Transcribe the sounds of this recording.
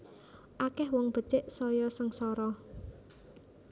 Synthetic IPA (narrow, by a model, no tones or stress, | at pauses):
ʔakɛhwɔŋb̥ə̤t͡ʃɪʔsɔjɔsəŋsɔɾɔ